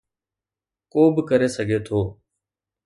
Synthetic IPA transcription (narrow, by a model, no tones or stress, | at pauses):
koːbkəɾeːsəɡʱeːt̪ʰoː